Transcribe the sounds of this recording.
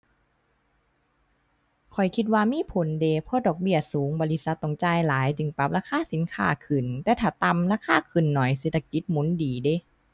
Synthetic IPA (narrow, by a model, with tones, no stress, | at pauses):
kʰɔ˨˩jkʰi˧t̪̚waː˧miː˧˥˨pʰo˨˦nde˧pʰɔ˧˥˨dɔː˨˩k̚bi˧˩ɐsuː˨˦ŋbɔː˧li˧t̪̚sa˧˦t̪ːo˧˩ŋt͡ɕaː˧˨jlaː˨˦jt͡ɕɯ˧˩ŋpa˧˥p̚ɾaː˧˥˩kʰaː˧˥˨si˨˦nkʰa̰ː˧˩kʰɯ˨˩nt̪ɛː˧˦t̪ʰaː˨˩t̪a˧mlaː˧˥˨kʰaː˧˥˨kʰɯ˨˩nːɔ˨˩js̬e˧˩t̪ʰːa˧ki˧˦t̪̚mu˨˦ndiː˨˩de˧˦